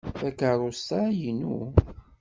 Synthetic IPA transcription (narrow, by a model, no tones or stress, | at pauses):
θækərˤːost̪ajinu